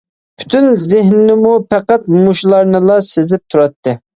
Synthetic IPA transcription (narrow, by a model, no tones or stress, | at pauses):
pʰy̥t̪ʰynzɪɦnɪnɪmupʰɛqæt̪̚muʃlˠɑɾnɨlˠɑsezɪp̚t̪ʰuɾɑt̪ːɨ